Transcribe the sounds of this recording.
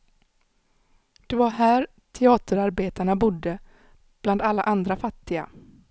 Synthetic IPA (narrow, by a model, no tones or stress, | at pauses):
d̪̥ɵvaɦæːɾ | t̪ʰɛɑːt̪əɾaɾbeːt̪aɳabʊd̪ːə | b̥land̪alːaʔand̪ɾafat̪ːɪɡa̰